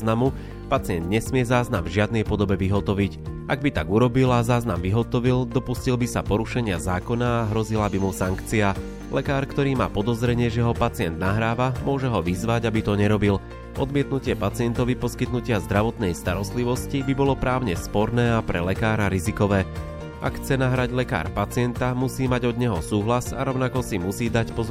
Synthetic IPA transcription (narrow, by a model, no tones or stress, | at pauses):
namu | pat͡sɪɛnd̪ɲɛsmɪɛzaːznamvʒɪad̪nɛjpɔd̪ɔbɛʋiɦɔt̪ɔʋicʔaɡ̚bit̪aɡuɾɔbilazaːznamʋiɦɔt̪ɔʋild̪ɔpuscilbisapɔɾuʃɛɲɪazaːkɔnaːɦɾɔzilabimusaŋkt͡sia | lɛkaːɾkt̪ɔɾiːma̰ːpɔd̪ɔzɾɛɲɪɛʒɛɦɔpat͡sɪɛnd̪naɦɾaːʋamʊɔʒɛɦɔʋizʋaɟabit̪ɔɲɛɾɔbil | ʔɔd̪mɪɛt̪nucɪɛpat͡sɪɛnt̪ɔʋipɔskit̪nucɪazd̪ɾaʋɔt̪nɛjst̪aɾɔst̪liʋɔscibibɔlɔpɾaːʊɲɛspɔɾnɛːapɾɛlɛkaːɾaɾizikɔʋɛː | ʔa̰kxt͡sɛnaɦɾaɟlɛka̰ːɾpat͡sɪɛnt̪amusiːmaɟɔd̪ɲɛɦɔsuːɦlasa̰ɾɔʊnakɔsimusiːd̪acpɔz